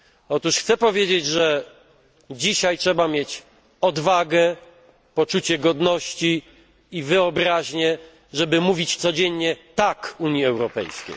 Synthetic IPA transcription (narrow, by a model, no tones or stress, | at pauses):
ɔt̪uʂxt̪sɛpɔvʲjed͡ʑed͡ʑʐɛ | d͡ʑiɕajtʂɛbamʲjet͡ɕ | ɔd̪vaɡɛ | pɔt͡ʂut͡ɕɛɡɔd̪nɔɕt͡ɕiː | vɘɔbɾaʑɲɛ | ʐɛbɘmuvʲit͡ɕt̪sɔd͡ʑɛɲɲɛt̪akuɲjiɛwɾɔpɛ̰jskʲḛj